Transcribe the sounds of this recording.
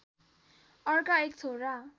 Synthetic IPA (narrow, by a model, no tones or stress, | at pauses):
ʌrkaek̚t͡sʰoɾa